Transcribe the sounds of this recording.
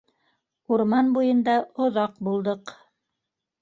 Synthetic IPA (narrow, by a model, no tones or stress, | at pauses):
uɾmɑnbujɤ̆nd̪ɑŏðɑqbulˠd̪ɤq